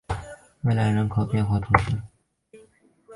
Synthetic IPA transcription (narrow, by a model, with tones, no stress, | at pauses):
we˥˩ɪla˧˥ɪɻə˧˥nkʰo˨˩ʊpjɛ˥˧nxwa˥˩t̪ʰʊ˧˥ŋʂ̩˥˩